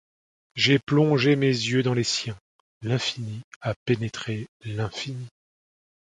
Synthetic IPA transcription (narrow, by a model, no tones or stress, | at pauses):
ʒeplɔ̃ʒemezjød̪ɑ̃lesjɛ̃ | lɛ̃finiapenet̪χelɛ̃fini